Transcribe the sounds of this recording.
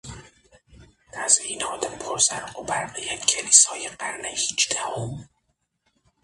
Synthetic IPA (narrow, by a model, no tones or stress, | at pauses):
t̪æzinɒːd̪æmpʰoɾzæɾʔobæɾqijæd̪cʰeliːsɒːjeɢæɾnehiːt͡ʃd̪æhom